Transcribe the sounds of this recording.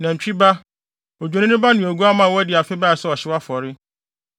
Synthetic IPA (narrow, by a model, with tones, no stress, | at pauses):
nã˨ɲ̩˨t͡ɕᶣi˦ba˦ | o˨d͡ʑᶣe˨nɪ̃˦nʊ̃˦ba˦nʊ̃˨æ˨ɡu˦a˦mã˨wɔ˦æ˦dɪ˨a˨fɪ˦ba˦˨sɛ˦ɔ˨ɕɪ˦wa˦fɔ˨ɾɪ˦